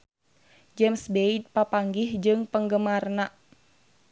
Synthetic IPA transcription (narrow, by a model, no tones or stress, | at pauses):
d͡ʒɛmsbeid̪̚papaŋɡɪhd͡ʒɨŋpəŋɡəmarna